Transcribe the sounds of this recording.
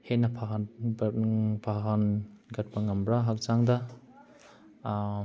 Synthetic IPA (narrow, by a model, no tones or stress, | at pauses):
henapʰaɦ | pʰaɦanɡɐt̚baŋɐmbɾaɦak̚zaŋda